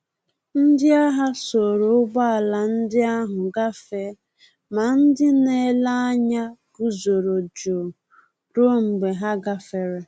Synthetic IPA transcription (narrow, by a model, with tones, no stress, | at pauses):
n̩˦dɪ˦a˦ɦa˦so˨ɾo˨˦ʊ˦ɡ͡ba˦a˨la˨n̩˦dɪ˦a˦ɦʊ˨ɡa˦fe˦ | ma˨n̩˦dɪ˦ne˦˨˦la˦a˦ɲa˦ɡ̥u˨zo˨ɾo˨d͡ʒo˨ | ɾo˦m̩˨ɡ͡be˨ɦa˦ɡa˦fe˨ɾe˦